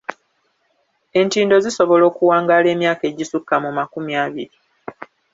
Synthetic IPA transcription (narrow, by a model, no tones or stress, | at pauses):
e̞ntiːndo̞ziso̞βo̞lo̞ːkuwaːŋɡaːle̞ːmjaːke̞ɟisukːamumakumjaːβiɾi